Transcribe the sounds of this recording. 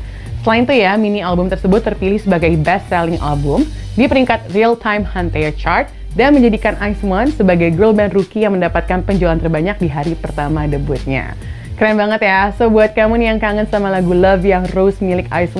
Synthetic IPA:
səlaint̪ujaminialbʊmt̪ərsəbʊt̪ːərpilɪhsəbaɡajbɛst̪sɛlɪŋʔa̰lbʊm | dipəɾiŋkat̪̚rialt̪ʰajmhant̪ajət͡ʃart̪̚ | danməɲd͡ʒadikanajsmansəbaɡajɡɾolbɛndrukijaŋməndapat̪̚kanpəɲd͡ʒualant̪ərbaɲak̚diɦaɾipərt̪amadəbʊt̪̚ɲa̰ | kəɾanbaŋət̪jasobuat̪̚kamʊnjaŋkaŋənsamalaɡuləvijaŋrosmilɪka̰js

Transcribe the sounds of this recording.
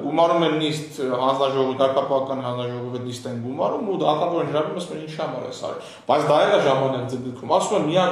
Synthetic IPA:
ɡumɑɾumɛnːist̪ɦɑnd͡znɑʒɔʁɔvid̪ɑɾkɑpɑɑkɑnhɑnd͡znɑʒɔʁɔvinist̪ɛnɡumɑɾumud̪ɑt̪ɑvɔɾinəɾɑvumɑsmɛnint͡ʃʰihɑmɑ̰ɾɛ̰sɑ̰ɾɛ̰ | b̥ɑjt͡sʰd̪ɑɛlɑʒɑmɑnɛɾd͡zəɡəɾkʰumɑsumɛmijɑ

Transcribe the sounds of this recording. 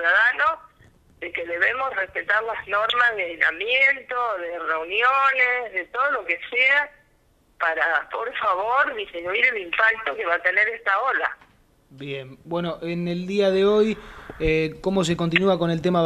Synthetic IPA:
uðaðano | ðekeðe̞βemosrespet̪aɾlazno̞ɾmazðeajna̰mjent̪oðereunjonesðet̪oð̞olokesea | paɾapoɾfaβoɾðizminuiɾelimpak̚t̪o̞keβat̪eneɾest̪aola | bjembwe̞noʔeneld̪iaðeo̞jekomo̞s̬ekont̪̬inuako̞ne̞lt̪ema

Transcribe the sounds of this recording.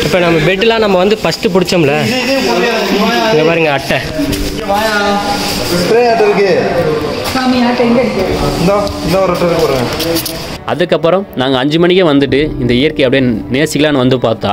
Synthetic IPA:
ɪpːoːnɐmːɐʋeʈ̬ːɪlãːnɐmːɐʋɐnd̪ɯfɐsʈɯpʊɽɪt͡ʃːomlɐ | ɪŋɡepaːɾɯŋɡɐːʈːɛ̃ | ʋaːja | stɾeaʈːɪɾɯk̬ːɯ | saːmijaːʈɐŋɡɐɽɯkːɐɪnd̪ɐɪnd̪ɐʋɐɾɐʈːɐɪɾɯkɯpoɾɯŋɡɐ | ɐ̰ðɯkːɐpːɯɾɔ̃naːŋɡɐːɲd͡ʒɯmɐɳɪkːɐ̃ʋɐnd̪ɯʈ̬ːɯɪnd̪ɐɪjɐɾkɐjɐpɐɽɪjeneːsɪkɐlaːnɯʋɐnd̪ɯpaːɾt̪ːã̰ː

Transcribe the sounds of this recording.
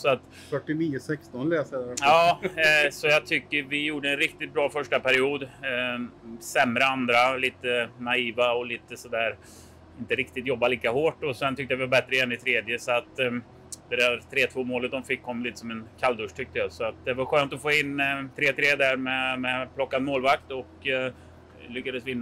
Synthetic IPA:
sɔat̪ | fœʈːɪniːjəsɛkst̪ɔnlɛːsəjɑː | sɔjɑt̪ʰʏkːəɾvɪjuːɖəɛnɾɪkt̪ɪt̪̚bɾɑːfœʂʈapʰæɾɪuːd̪ | sɛmɾəand̪ɾaliːt̪ənaiːvaɔliːt̪əsɔd̪æːɾ | ɪnt̪əɾɪk̚t̪ɪt̪jɔbːaliːkahoːʈɔsɛnt̪ʰʏk̚t̪əjavɪvabɛt̪ɾəɛnːɪt̪ʰɾeːd̪jəsɔat̪ | d̪̥ɛd̪æɾt̪ʰɾeːt̪ʰvoːmoːlət̪̚d̪ɔmfɪkːɔmːliːt̪ə̥sɔmɛnkʰald̪ɵʂʈ̪ʰʏk̚t̪əjasɔat̪̚d̪ɛvaɾɧøːnt̪ɔfoːɪnːt̪ʰɾeːt̪ʰɾeːd̪æɾmɛmɛpʰlɔkːad̪moːlvakt̪ɔk | lʏkːad̪əsvɪnː

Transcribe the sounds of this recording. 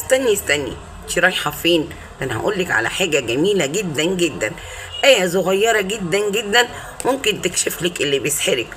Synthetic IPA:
st̪ænːist̪ænḭ | ʃiɾˤɑːjħɑfiːn | fʔænːhæ̰ʔṵːlːekʕa̰læ̰ħaːɡæɡæmiːlæɡed̪ːænɡed̪ːæ̰n | ʔæjæsoɣæjːɑɾˤɑɡed̪ːænɡed̪ːæn | momkent̪ekʃeflekʔelːibeesħeɾek

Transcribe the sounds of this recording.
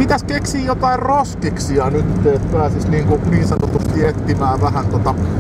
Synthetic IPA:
mit̪æskeksiːjjot̪ɑirroskiksiɑnyt̪ːeːt̪pæːsisniːŋkuniːnsɑnot̪ust̪iet̪ːimæːʋæhænt̪ot̪ɑ

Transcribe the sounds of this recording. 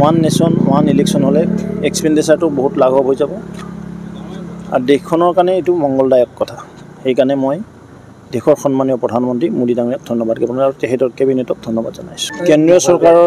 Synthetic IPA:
anːesɔnmɔ̰wanileksɔnɦɔlɛɛkspɛndɛsaɹtʊboɦutlaɡʱɔɦojzabɔ | a̰ɹdexkʰːɔnɔɹkanɛetʊmɔŋɡɔldajɔkːɔtʰa | xejkanɛmoj | dexʰɔɹxɔnmaniɔpɹɔdʱanmɔntɹimudidaŋɹijɔk̚dʱɔnːɔbadkɛbɔnaɹutexʰɛtɔɹkebinɛtɔk̚dʱɔnːɔba̰dzɔna̰jsʊ̥kendɹijɔsɔɹkaɹɔ

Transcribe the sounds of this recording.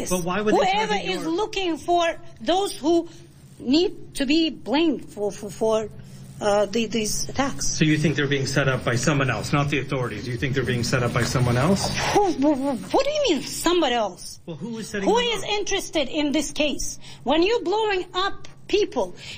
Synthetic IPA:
ɪsb̥ʌt̚waɪwəɨhuɛvə˞ʔɪzlʊkɪ̃ŋfə˞ðoʊz̥hu | nid̚tʰɨbiblẽɪ̃md̥fffə˞ | ðiðizɨtʰækssoʊjɨθɪ̃ŋk̚ðə˞biɪ̃ŋsɛɾʌp̚b̥aɪsʌ̃mwʌ̃nɛ̰lˠsnət̪̚ðiɨθɔɹɨɾḭdɨjɨθɪ̃ŋk̚ðə˞biɪ̃ŋsɛɾʌp̚b̥aɪsʌ̃mwʌ̃nɛlˠshuwʌt̚d̥ɨɨmĩnsʌ̃mbɑɾiɛlˠswɛlˠhuɪz̥sɛɾɪ̃huɪzɪ̃nt͡ʃɹ̥ɨstɨɾɪ̃nðɪskʰeɪswə̃njə˞bloʊɪ̃ŋʌpʰipʰəl̩ˠ

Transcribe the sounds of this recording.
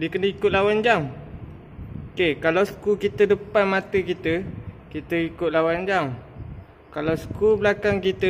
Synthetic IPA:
dikənəikʊt̪̚lawand͡ʒaŋ | kekalawsə̥kukit̪ədəpanmat̪əkit̪ə | kit̪əikʊt̪̚lawand͡ʒaŋ | kalawsə̥kubəlakaŋkit̪ə

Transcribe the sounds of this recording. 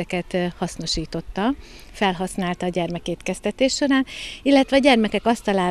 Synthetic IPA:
ɛkɛt̪hɒsno̞ʃiːt̪o̞t̪ːɒ | fɛlɦɒsnaːlt̪ɒːɟɛrmɛkeːt̪kɛst̪ɛt̪eːʃʃo̞ɾaːnilːɛt̪ʋɛɒɟɛrmɛkɛkɒst̪ɒlaː

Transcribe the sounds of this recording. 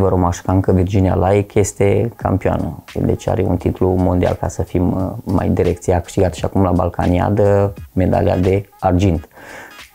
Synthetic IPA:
vəɾomaʃkaɨŋkəvird͡ʒinia̰lʔajkje̞st̪e̞kʰa̰mpioa̰nə̰d̪ḛt͡ʃea̰ɾeṵnt̪it̪lumo̞nd̪ia̰lkasəfimːa̰jd̪iɾekt̪siakɨ̥ʃt̪iɡat̪sʲʃiakumlaba̰lka̰nia̰d̪əme̞d̪a̰lia̰d̪e̞ard͡ʒint̪

